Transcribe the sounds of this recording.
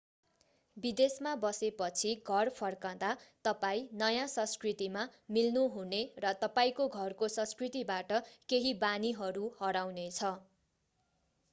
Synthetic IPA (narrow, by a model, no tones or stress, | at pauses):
bid̪esmabʌsepʌt͡sʰiɡʱʌrpʰʌrkãd̪at̪ʌpaĩnʌjãsʌ̃skrit̪imamilnuɦunerʌt̪ʌpaĩkoɡʱʌrkosʌ̃skrit̪ibaʈʌkeɦibaniɦʌɾuhʌɽawnet͡sʰʌ